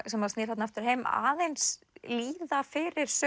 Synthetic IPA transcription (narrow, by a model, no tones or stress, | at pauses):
sɛmːaɾstnɪːɾ̥hat̪naaft̪ʏɾ̥hejma̰ːðejns | liːðafɪɾɪɾ̥s